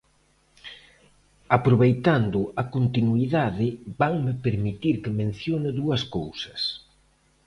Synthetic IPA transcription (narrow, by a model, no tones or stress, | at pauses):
apɾoβejt̪and̪ʊɐkont̪inuiðaðɪbaŋmɪpeɾmit̪iɾkɪmẽn̟θjonɪðuɐskowsɐ̥s